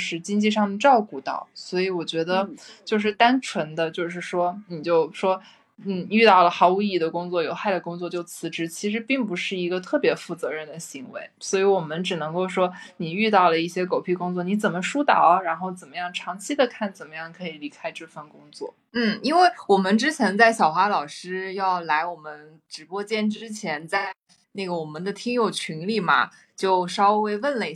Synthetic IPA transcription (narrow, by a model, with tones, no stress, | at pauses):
ʂɻ̩˥˩t͡ɕi˥ŋt͡ɕi˥˧ʂɑ˥˩ŋd̪ə˨ʈ͡ʂɑ˥˧ʊku˥˩t̪ɑ̰˥˩ʊswɔ˧˥i˧˥wɔ˨˩t͡ɕɥɛ˧˥d̪ə˧t͡ɕjo˥˧ʊʂ̬ɻ̩˥˩t̪a˥nʈ͡ʂʰwə˧˥nd̪ə˧t͡ɕjo˥˧ʊʂɻ̩˥˩ʂwɔ˥ni˨˩t͡ɕjo˥˩ʊʂwɔ˥ | n̩˥˩y˥˧t̪ɑ˥˩ʊlə˩xɑ˧˥ʊu˧˥i˥˩i˧˩d̪ə˩kʊ˥ŋt͡swɔ˥˩jo˨˧˥ʊxa˥˩ɪd̪ə˩kʊ˥ŋt͡swɔ˥˧t͡ɕjo˥˩ʊt͡sʰɹ̩˧˥ʈ͡ʂɻ̩˧˥t͡ɕʰi˧˥ʂɻ̩˧˥pi˥˩ŋpu˧˥ʂɻ̩˥˩i˧˥ɡə˧t̪ʰɤ˥˩pjɛ˧˥fu˥˩t͡sɤ˧˥ɻə˥˩nd̪ə˩ɕi˧˥ŋwḛ˧˥ɪswɔ˧˥i˧˥wɔ˨˩mə˧˦nʈ͡ʂɻ̩˨˩nɤ˧˥ŋko˥˩ʊʂwɔ˥ni˨˩y˥˧t̪ɑ˥˩ʊlə˩i˥˩ɕjɛ˥ko˨˩ʊpʰi˥˩kʊ˥ŋt͡swɔ˥˩ni˧˥t͡sə˨˩nmə˦ʂu˥t̪ɑ˨˩˦ʊɻa˧˥nxo˥˩ʊt͡sə˨˩nmə˦jɑ˥˩ŋʈ͡ʂʰɑ˧˥ŋt͡ɕʰi˥d̪ə˨kʰa˥˩nt͡sə˨˩nmə˦jɑ˥˩ŋkʰɤ˧˥i˨˩li˧˥kʰa˥ɪʈ͡ʂɤ˥˧fa˥˩nkʊ˥ŋt͡swɔ̰˥˩ | n̩˥˩i˥nwe˥˩ɪwɔ˨˩mə˦nʈ͡ʂɻ̩˥t͡ɕʰjɛ˧˥nt͡sa˥˩ɪɕjɑ˨˩ʊxwa˧˥lɑ˨˩ʊʂɻ̩˥jɑ˥˩ʊla˧˥ɪwɔ˨˩mə˦n | ʈ͡ʂɻ̩˧˥pwɔ˥t͡ɕjɛ˥˧nʈ͡ʂɻ̩˥t͡ɕʰjɛ˧˥nt͡sa˥˧ɪ | na˥˩ɡə˩wɔ˨˩mə˦nd̪ə˧t̪ʰi˥ŋjo˨˩ʊt͡ɕʰy˧˥nli˥˩mɐ̰˩ | t͡ɕjo˥˩ʊʂɑ˥ʊwe˥˧ɪwə˥˩nlə˧i˩